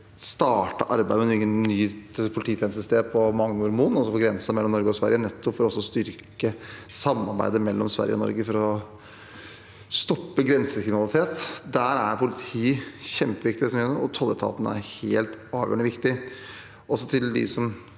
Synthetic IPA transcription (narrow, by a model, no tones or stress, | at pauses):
st̪ɑːʈɑʔɑɾbæɪd̪əɛnɪŋːənyːt̪pʰʊlɪt̪iːt̪ʰɛːd̪əsəst̪eːd̪pʰɔmɑŋːəhʊɾmuːnɔsɔfɔːɡɾɛnsɑmɛlːɔmnɔɾɡəɔsʋæɾɪjənɛt̪ːʊfɔɾɔɔsːɔst̪ʏɾkəsɑmːɑɾbæ̰ɪd̪əmɛlːɔmsʋæ̰ɾjə̰ɔnɔ̰ɾɡəfɔɾɔ | st̪ɔpːəɡɾɛnsəkʰɾɪmɪnɑlɪt̪ʰeːt̪d̪æːɾæɾpʰʊlɪt̪ʰiːçɛmpəʋɪkt̪ɪd̪ɛsɔmʋjøːnuɔt̪ʰɔlːət̪ʰɑ̰ːt̪ən̩æ̰ɾheːlt̪ɑːʋjø̰ːɳəʋɪkt̪ɪ | ʔɔsːɔt̪ʰɪld̪ɪ̰sɔm